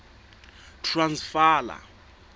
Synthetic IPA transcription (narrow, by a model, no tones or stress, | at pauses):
tʰransfaːla̰